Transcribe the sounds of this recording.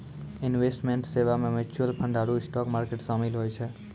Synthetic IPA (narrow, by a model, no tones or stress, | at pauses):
ɪnʋesʈmeɳʈseʋamẽmɪt͡ʃuəlpʰəɳɖaɽuɪsʈɔkmaɾkeʈsəmilɦojt͡ʃʰe